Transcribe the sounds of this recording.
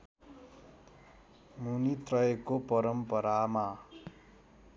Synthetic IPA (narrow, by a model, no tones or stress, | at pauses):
munit̪rʌekopʌɾʌmpʌɾama